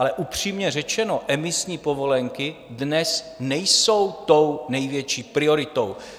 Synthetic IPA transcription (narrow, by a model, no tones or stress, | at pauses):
alɛʔupr̝̥iːmɲɛrɛt͡ʃɛno̞ʔɛmɪsɲiːpovo̞lɛŋkɪdnɛs | nɛjsowt̪ownɛjvjɛt͡ʃiːpɾɪo̞ɾɪt̪ow